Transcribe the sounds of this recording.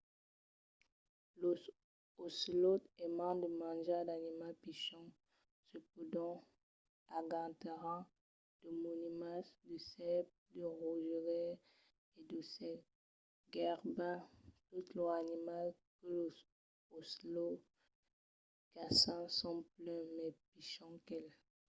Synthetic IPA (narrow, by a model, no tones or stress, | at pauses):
lo | oslot̪ɛmɑ̃d̪əmɑ̃ʒad̪animalpiʃɔ̃ | səpud̪ɔ̃ | aɡɑ̃t̪eʁɑ̃ | d̪̥əmonimasd̪əsɛp̚d̪əʁuʒəʁɛ | ed̪əsɛ | ɡɛʁbɛ̃t̪ut̪loanimal | kəlo | oslo | kasɑ̃sɔ̃plɛ̃mɛpiʃɔ̃kɛl